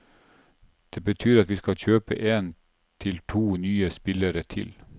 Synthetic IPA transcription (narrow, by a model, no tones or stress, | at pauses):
d̪̥eːbət̪ʰyːɾɑt̪ʋiːskɑlçøːpə̰ʔeːn | t̪ʰɪlt̪ʰuːnyːəspɪləɾət̪ʰɪ̰l